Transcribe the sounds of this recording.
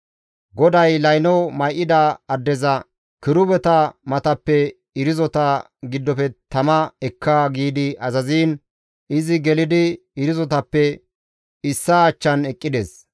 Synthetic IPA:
ɡɔd̪ɐjlɐjnɔmɐjʔɪd̪aɐd̪ːɛzɐ | kɪɾʊbɛt̪ɐmɐt̪ɐpːɛ | ɪɾɪzɔt̪ɐ | ɡɪd̪ːɔfɛt̪ɐmɐɛkʰːaɡiːd̪ɪʔɐzɐziːn | ɪzɪɡɛlɪd̪ɪ | ɪɾɪzɔt̪ɐpːɛ | ɪsːaːt͡ʃːɐnɛkʼːɪd̪es

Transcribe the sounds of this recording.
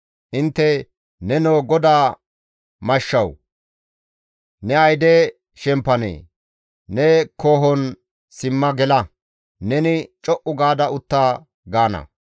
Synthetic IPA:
ʔɪnt̪ːɛ | nɛnoːɡɔd̪aː | mɐʃːɐw | nɛɐjd̪ɛ | ʃɛmpːɐnḛː | nɛko̞ːɦɔn | sɪmːɐɡɛlɐ | nɛnɪt͡ʃʼɔʔʊɡaːd̪ɐʊt̪ːaː | ɡaːnɐ̰

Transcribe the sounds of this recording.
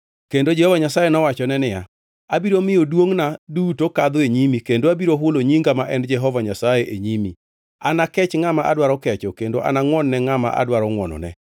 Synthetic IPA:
kendod͡ʒɛhɔvaɲasajenɔwat͡ʃɔnɛnɪja̰ | abiɾomɪjodwoŋnadutokad̪oeɲimikendoabiɾoɦʊloɲiŋɡamaʔɛnd͡ʒɛɦɔvaɲasajeʔeɲimi | anakɛt͡ʃŋamaʔa̰dwaɾɔkɛt͡ʃɔkendoʔa̰naŋwɔnːɛŋama̰ʔa̰dwaɾɔŋwɔ̰nɔ̰nɛ̰

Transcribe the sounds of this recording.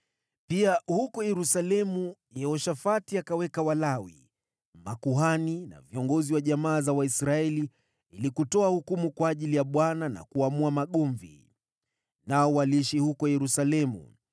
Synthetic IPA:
piahukɔjɛɾusalɛmujɛhɔʃafatiakawɛkawalawḭ | makuɦanina̰viɔŋɡɔziwaʄamaːzawaisɾaɛli | ilikutɔahukumukwaːʄilijaɓwanana̰kuamuamaɠɔɱvḭ | naɔwaliʃihukɔjɛɾusalɛmṵ

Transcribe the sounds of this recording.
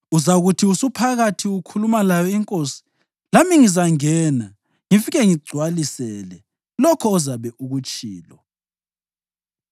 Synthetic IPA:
uzaɣutʰiusupʰaɣatʰiukʰulumalajɔiŋkʼosi̥ | lamiŋizaŋɛːna | ŋifiɣɛŋiɡ͡ǀʱwalisɛlɛ | lɔkʰɔːzaβɛʔuɣut͡ʃʼiːlɔ

